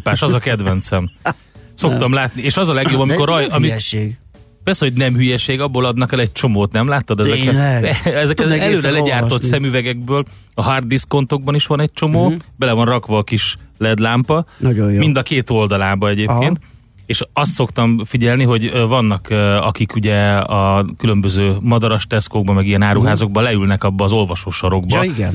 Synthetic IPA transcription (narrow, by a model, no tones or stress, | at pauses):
paːʃɒzɒkɛd̪vɛnt̪sɛm | so̞kt̪ɒmlaːt̪nieːʃɒzɒlɛɡjobːɒmikoɾɒjɒmiɡ | pɛrsɛhoɟnɛmhyjɛʃeːɡɒbːoːlɒd̪nɒkɛlɛɟ̚t͡ʃo̞moːt̪nɛmlaːt̪ːɒd̪ɛzɛkɛɛzɛkɛɛløːɾɛlɛɟaːrt̪o̞t̪sɛmyvɛɡɛɡ̚bøːl | ɒɦard̪ːisko̞nt̪o̞ɡ̚bɒniʃʋɒnɛc̚t͡ʃo̞moːbɛlɛvɒnrɒkʋɒːkiʃlɛd̪laːmpɒomind̪ɒkeːt̪o̞ld̪ɒlaːbɒɛɟeːpkeːnt̪ | eːʃɒst̪so̞kt̪ɒmfiɟɛlniɦo̞ɟvɒnːɒkɒkikuɟɛɒkylø̞mbøzøːmɒd̪ɒɾɒʃt̪ɛskoːɡ̚bɒmɛɡijɛnaːɾuɦaːzo̞ɡ̚bɒlɛylnɛkɒbːɒːzo̞lvɒʃoːʃɒɾo̞ɡbɒiɡɛn